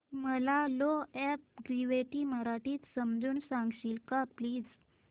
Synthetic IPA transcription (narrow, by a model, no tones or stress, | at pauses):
məlaloɛp̚ɡɾiʋeʈiːməɾaʈiːt̪səmd͡zuːnsãŋɡɕiːlkapliːd͡z